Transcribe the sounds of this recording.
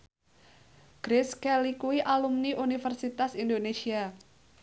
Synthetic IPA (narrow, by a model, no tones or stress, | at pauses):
ɡ̥ɾɪskɛlikuiʔalumniʔunifərsit̪asindonesia